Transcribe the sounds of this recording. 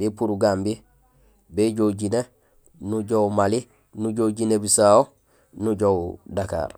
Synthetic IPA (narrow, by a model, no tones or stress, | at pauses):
bipuɾuɡaːmbi | beɟouɟine | nuɟoumali | nuɟoɟinebisaːo | nuɟowdaka̰ːɾ